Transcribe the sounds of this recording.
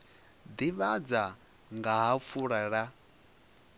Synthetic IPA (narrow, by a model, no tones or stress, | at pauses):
d̪iβad͡za | ŋɡaɦap̪fʰuɺaɺa